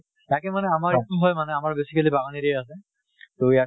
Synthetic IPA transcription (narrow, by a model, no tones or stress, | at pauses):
takɛmanɛamaɹetuɦɔjmanɛamaɹbesikelibaɡaniɾiɛas̬ɛ | toja